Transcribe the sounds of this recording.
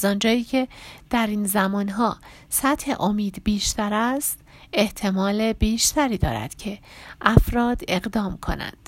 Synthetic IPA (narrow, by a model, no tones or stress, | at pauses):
zɒːnd͡ʒɒːiːcʰe̞d̪̥æɾinzæmɒːnɦɒː | sæt̪he̞̰ʔo̞miːd̪biːʃt̪ʰæɾæst̪ | eht̪ʰe̞mɒːle̞biːʃt̪ʰæɾiːd̪ɒ̰ːɾæ̰d̪̥cʰe̞ʔæfɾɒːd̪e̞ɣd̪ɒːmkʰo̞̰næ̰nd̪̥